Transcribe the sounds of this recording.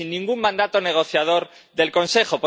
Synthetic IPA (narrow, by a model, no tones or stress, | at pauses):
inːĩŋɡuŋːãnd̪at̪o̞ne̞ɣ̞o̞θjað̞o̞ɾ | ðe̞lko̞nse̞xo̞p